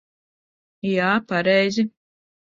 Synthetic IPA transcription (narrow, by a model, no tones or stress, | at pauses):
jaːpaɾɛjzi